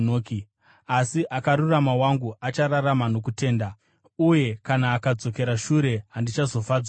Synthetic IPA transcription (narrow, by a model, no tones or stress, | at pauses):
noːki | asiʔakaɾuramawaŋɡuʔat͡ʃaɾaramano̞kute̞ːnda | uje̞kanaːkad͡zo̞ke̞ɾaʃuɾe̞ɦandit͡ʃazo̞faːd͡zwa